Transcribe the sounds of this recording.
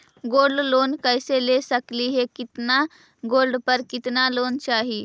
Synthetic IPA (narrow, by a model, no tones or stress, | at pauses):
ɡoːɾɖloːnkəɪselesəkliɦekɪt̪na | ɡoːɾɖpəɾkɪt̪naloːnt͡ʃaːɦi